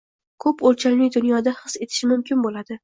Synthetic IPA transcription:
kʰɵpolt͡ʃʰalnɪd̪ʊnjɒd̪ahɨse̞t̪ʰɪ̥ʃɪmʊmkʲɪnbolad̪ɪ

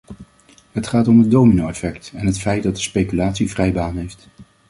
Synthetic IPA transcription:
ɦətχaːtɔmədowminowɛfɛktɛnɦətfɛjt̚dɑt̚dəspejkylaːtsivrɛjbaːnɦejft

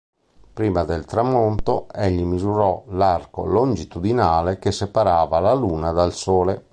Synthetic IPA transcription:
pɾiːmad̪elt̪ɾamːont̪oeʎːimizuɾɔlarko̰lond͡ʒit̪ud̪inaːlekesːepaɾaːvalaluːnad̪alsoːle

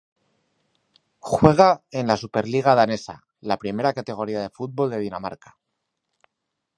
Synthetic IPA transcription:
xwe̞ɣ̞ae̞nlasupe̞ɾliɣ̞aðane̞sa̰ | lapɾime̞ɾakat̪e̞ɣ̞o̞ɾiaðe̞fut̪̚bo̞ld̪e̞ð̞inama̰ɾkḁ

